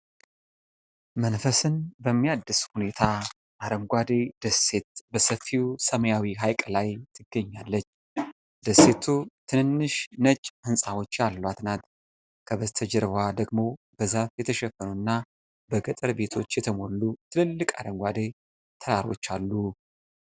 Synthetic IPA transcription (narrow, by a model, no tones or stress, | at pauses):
mənfəsɨnbəmːijad̪ːɨshune̞t̪ʰa | ʔaɾəmɡʷad̪ed̪̥əsːe̞t̪bəsəfiwsəməjawiɦajkʼlajt̪ʰɨɡːəɲːalːət͡ʃː | d̪əsːe̞t̪ʰut̪ʰɨnɨnːɨʃnəd͡ʒʼhɨnsʼawot͡ʃːalːwat̪nat̪ | kʰəβəzt̪ʰəd͡ʒɛɾβwad̪əɡmo̞ | b̥əzafjɛt̪ʰəʃɛfːənuɨnːa | bəɡət̪ʼɨɾbe̞t̪ʰo̞t͡ʃːjɛt̪ʰəmo̞lːut̪ʰɨlɨlːɨkʼaɾəmɡʷad̪e | t̪ʰəɾaɾo̞̰t͡ʃːalːu